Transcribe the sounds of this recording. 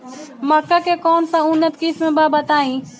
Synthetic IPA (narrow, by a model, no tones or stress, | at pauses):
mɐkːakekɔːnsãʊnət̪kismẽbaːbɐt̪aːĩː